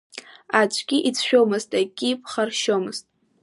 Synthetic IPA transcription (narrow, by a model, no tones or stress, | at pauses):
at͡ʃʷʰʼɡʲiʔit͡sʰʃᶣomɨztʼaɡʲʼipʰχarʃomɨztʼ